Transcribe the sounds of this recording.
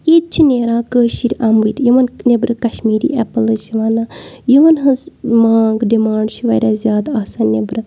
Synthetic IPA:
it̪̚t͡ʃʰineːɾãːkəːʃiɾʲʔamʋit̪ʲjiʋɐnnebɾɨkɐʃmiːɾḭːʔɛpəlɨsiʋaːnaːjiʋɐnɦɐzmaːŋɡɖimaːɳɖʃiʋɐːɾʲaːzʲjaːd̪aːsaːnːebɾɨ

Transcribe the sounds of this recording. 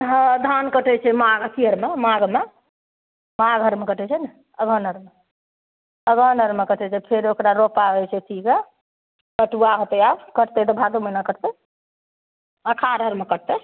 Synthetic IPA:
ɦd̪ʱankəʈɛt͡ʃʰɛmaɡəsiəɾmemaɡme | maɡʱɦəɾmekəʈʰɛt͡ʃʰɛn | əbʱənəɾme | əbənəɾmekəʈʰɛt͡ʃʰɛpʰeɾokɾaɾopaɛt͡ʃʰɛt̪ʰike | kəʈuaɦot̪ɛabkəʈt̪ɛt̪̬ɔbʱad̪umenakəɾt̪ɛ | akʰaɾɦəɾmekəʈ̚t̪e

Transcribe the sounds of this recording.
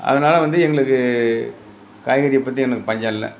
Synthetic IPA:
ɐ̰ðɐnaːlɐʋɐnd̪ɯɛŋɡɐɭɯkːɯ | kaːjɣɐɾɪjɛpːɐt̪ːɾiɛnɐkːɯpɐɲd͡ʒaːɪlːɐ̰

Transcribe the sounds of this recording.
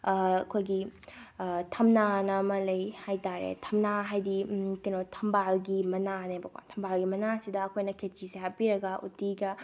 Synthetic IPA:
ɐkʰojɡi | tʰɐmnanɐmɐlɐjhajtaɾḛtʰɐmnaɦajdikinotʰɐmbalɡimɐnanebɐkwa̰tʰɐmbalɡimɐnasidɐɐkʰojnɐkʰet͡ʃiseɦapiɾɐɡɐʔṵtiɡɐ

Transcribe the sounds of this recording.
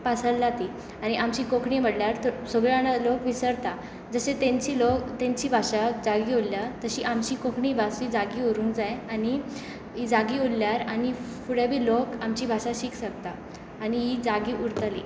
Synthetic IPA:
pasəɽlat̪i | aɽ̃iʔamt͡ɕiːkokʰɳiːm̤əɽljaɾt̪əɾsoɡɭjanalokʋisəɾt̪a | d͡zəɕet̪ẽɲt͡ɕiːlokt̪ẽɲt͡ɕiːbʱaɕad͡zaɡiolːjat̪əɕiːʔamt͡ɕiːkokʰɳiːbʱasid͡zaɡioɾũːŋkd͡zajani | ɦid͡zaɡiːolljaɾani | fuɽjabʱiːlokamt͡ɕiːbʱaɕaɕiksəkt̪aː | niɦid͡zaɡiːʔuɾt̪əlḭː

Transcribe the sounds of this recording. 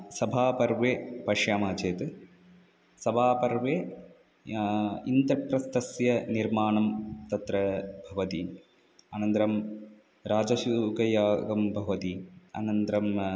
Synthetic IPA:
sɐbʱaːpɐɾʋepɐʂjaːmaːt͡ʃeːt̪ɨ | sɐbʱaːpɐɾʋe | ind̪ɾɐprɐst̪ɐsjɐniɾmaːɳɐmt̪ɐt̪ɾɐbʱɐʋɐt̪ḭn | aːnɐnd̪ɾɐm | ɾaːd͡ʒɐsukɐjaːɡɐmbʱɐʋɐt̪ia̰ːnɐnd̪ɾɐm

